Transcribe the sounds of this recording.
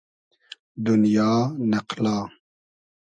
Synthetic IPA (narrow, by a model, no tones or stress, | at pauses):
d̪unjɑːnɐqlɑː